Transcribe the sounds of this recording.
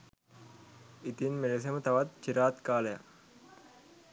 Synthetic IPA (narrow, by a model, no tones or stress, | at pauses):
it̪inmeles̬emət̪aʋat̪t͡ʃiɾaːt̪kaːleja̰k